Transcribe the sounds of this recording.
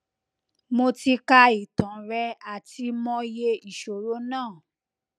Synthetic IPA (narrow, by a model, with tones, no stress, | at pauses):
mo˧ti˧ka˧i˨tã˨˦ɾɛ˧a˨tʰi˧mɔ̃˧je˧i˨ʃo˨ɾo˨˦nãː˦˨